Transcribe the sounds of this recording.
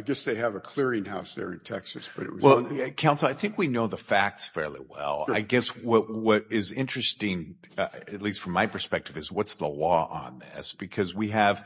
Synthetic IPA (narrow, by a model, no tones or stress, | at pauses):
ɪɡɛsðeɪɨvəkʰl̥ɪɹɪ̃ŋhaʊsðə̰˞ɨ̰̃ntʰɛksɨsb̥ʌɾɨ̰ʔ̚wʌzwɛlˠkʰãʊ̃ntsl̩ˠaɪθɪ̃ŋkwinoʊðəfæk̚tsfɛɹlˠḭwɛ̰l̰ˠɪɡɛswʌt̚wʌɾɪzɪ̃nt͡ʃɹ̥ɨstɪ̃ŋ | ɨtˡlistfɹʌ̃mːaɪpʰə˞spɛk̚tɨvɨzwʌtsðəlɔʔə̰̃nðɪ̰sb̥ɨkʰʌzwiɨv̥